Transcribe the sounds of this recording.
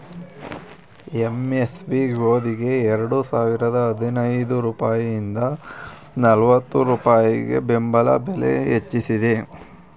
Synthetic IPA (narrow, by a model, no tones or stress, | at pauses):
eme̞sbiɡoːd̪iɡe̞ːɾɐɽusaːʋiɾɐd̪ɐːd̪ʱinɐjd̪uɾuːpaːjijind̪ɐ | nɐlʋɐt̪ːuɾuːpaːjiɡe̞̰be̞mbɐlɐ̰belḛɦet͡ʃːisid̪e̞